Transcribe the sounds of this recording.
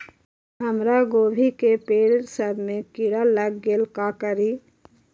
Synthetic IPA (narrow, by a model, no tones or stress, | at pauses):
ɦəmɾaɡoːbʱikepeːɽɾsəɾmẽkɪɽaləɡːelkakəɾiː